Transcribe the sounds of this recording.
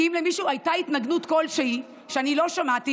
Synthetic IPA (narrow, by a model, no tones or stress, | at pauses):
imlemiʃuːajtait̪naɡnut̪ko̞lʃei | ʃeanilo̞ʃamat̪i